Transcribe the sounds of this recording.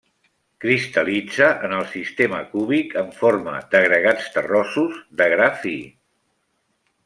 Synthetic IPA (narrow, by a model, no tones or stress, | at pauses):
kɾist̪əlid͡zəʔənəlˠsist̪eməkuβikəɱformə̰d̪əɣɾəɣat͡st̪ərɔsuzd̪əɣɾafi